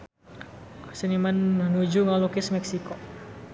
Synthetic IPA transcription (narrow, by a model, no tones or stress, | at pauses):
sənimannud͡ʒuŋalukɪsmɛksiko